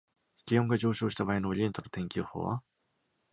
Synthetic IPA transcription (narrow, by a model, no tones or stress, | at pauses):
kʲioŋɡad͡ʑo̞ːɕo̞ːɕi̥t̪abaːinoːɾʲient̪ono̥t̪ẽ̞ŋkʲɨːho̰ːβa̰